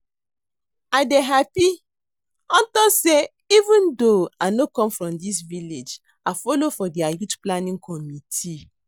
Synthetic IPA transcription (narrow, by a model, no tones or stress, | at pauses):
adeɦapi | ɔ̃n̩tɔse | ivũndoanokɔ̃mfɾɔ̃mdis̬viled͡ʒ | afɔlofɔdiajutplanĩŋkʰɔmitʰi